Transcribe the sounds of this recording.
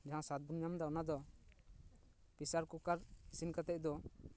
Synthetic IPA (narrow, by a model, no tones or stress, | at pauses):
d͡ʒaɦãsat̪̚bunjamd̪aɔnad̪ɔ | pisaɾkukaɾsinkat̪ɛc̚d̪ɔ